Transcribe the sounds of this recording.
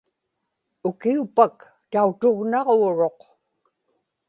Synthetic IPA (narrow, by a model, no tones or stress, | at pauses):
ʊkiupak | t̪aut̪oʁnɑʁoːɻo̞q